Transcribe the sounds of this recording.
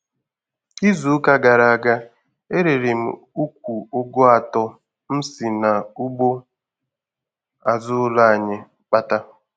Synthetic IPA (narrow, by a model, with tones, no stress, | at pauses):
i˦zu˨˦ka˦ɡa˨ɾa˨a˨ɡa˦ | e˦ɾe˨ɾe˨m̩̰˨ | u˦kʷu˨o˦ɡo˦a˨tɔ˦ | m̩˦si˨na˨u˦bo˦ | a˨zʊ˦la˦a˨ɲɪ˦ | k͡pa˦ta˦